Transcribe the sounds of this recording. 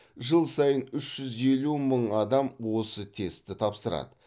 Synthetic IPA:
ʒəlˠsɑjənʏʃʒ̥ʏze̞luməɴɑd̪ɑmwo̞sət̪ʰe̞st̪ɪt̪ʰɑpsəɾɑ̰d̪ə

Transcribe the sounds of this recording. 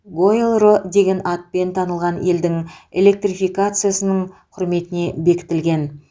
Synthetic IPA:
ɡo̞lˠrod̪e̞ɡʲe̞nɑt̪̚pe̞nt̪ʰɑnəlˠʁɑne̞ld̪ɪŋe̞le̞k̚t̪rʲifijkat̪sɨjasənəɴqʰʊɾme̞t̪ɪne̞be̞kʲɪ̥t̪ɪlɡʲe̞n

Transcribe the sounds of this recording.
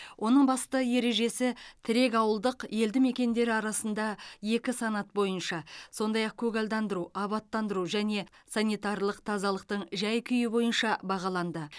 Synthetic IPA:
wʔo̞nəɴbɑst̪əje̞ɾe̞ʒe̞sɪt̪ʰɪɾe̞kɑwəlˠd̪əqje̞ld̪ɪme̞kʲe̞nd̪e̞ɾɪɑɾɑsənd̪ɑje̞kʲɪsɑnɑt̪̚bo̞jənʃɑso̞nd̪ɑjɑq̚kʲʰɵɡɑld̪ɑnd̪əɾuɑβɑt̪ːɑnd̪əɾuʒæne̞sɑnʲijt̪ɑɾlˠəqt̪ʰɑzɑlˠəq̚t̪əɴʒæjkʲʰʏjɪbo̞jənʃɑbɑʁɑlˠɑnd̪ə

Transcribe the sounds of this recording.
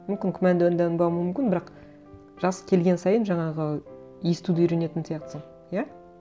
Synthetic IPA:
mʏmkʲɪŋkʲʰʏmænd̪ɪənd̪ænbɑwmʏʏmkʲɪnbɪɾɑq | ʒ̥ɑsə̥kʲʰe̞lɡʲe̞nsɑjənʒɑɴɑʁə | jest̪ud̪ɪijɾe̞ne̞t̪ɪnsijɑq̚t̪ə̥səɴ | ja

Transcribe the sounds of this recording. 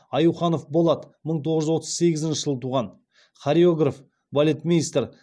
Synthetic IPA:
ɑjuwχɑno̞fbo̞lˠɑd̪ə | məɴt̪ʰoʁəʒʏwo̞t̪ʰəzse̞ɡʲɪzɪnʃɪ̥ʒəlˠət̪ʰuʁɑn | χaɾʲeoɡraf | bolʲe̞t̪mʲinijst̪r

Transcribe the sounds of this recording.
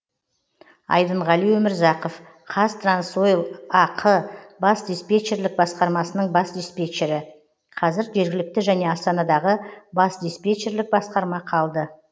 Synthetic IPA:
ɑ̰jd̪əɴʁɑlˠijwɵmɪɾzɑqof | qʰɑst̪ransojlˠɑqʰəbɑsd̪ispʲe̞t͡ʃe̞ɾlɪk̚bɑsqɑɾmɑsənəɴbɑsd̪ispʲe̞t͡ʃeɾɪ | qʰɑzɪɾʒe̞ɾɡʲɪlɪk̚t̪ɪʒæne̞ɑst̪ɑnɑd̪ɑʁəbɑsd̪ispʲet͡ʃe̞ɾlɪk̚bɑsqɑɾmɑqʰɑlˠd̪ə

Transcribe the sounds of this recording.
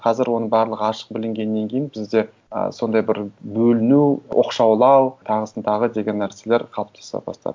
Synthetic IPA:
qʰɑzɪɾwo̞nəɴbɑɾlˠəʁɑʃə̥q̚bɪlɪŋɡʲe̞nːe̞ŋkʲʰejɪnbɪzd̪e̞ | ə̰so̞nd̪ɑjbɪɾbɵlɪnuʔo̰qʃɑwlˠɑwt̪ʰɑʁəsənt̪ɑʁəd̪e̞ɡʲe̞nːæɾse̞le̞ɾqʰɑlˠəp̚t̪ʰɑ̥sɑ̰pbɑ̰st̪ɑ̰d̪ə̥

